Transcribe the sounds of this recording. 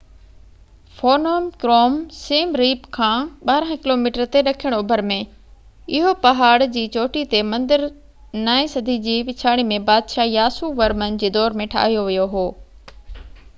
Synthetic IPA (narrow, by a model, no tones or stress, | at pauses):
foːnoːmkɾoːmseːmɾiːpkʰãːɓaːɾə̃ɦɪ̃kɪloːmiːʈəɾt̪eɾɐkʰijəɽ̃ʊbʱəɾmẽ | ɪɦopɐɦaːɽd͡ʑiːt͡ɕoːʈit̪emɐ̃nd̪əɾ | naːisɐd̪ʱid͡ʑiːʋɪt͡ɕʰaːɽ̃imẽbaːd̪ʃaːjaːsuʋɐɾmən̆d͡ʑeːd̪ɔːɾmẽʈʰa̰ːɦijoʋijoɦoː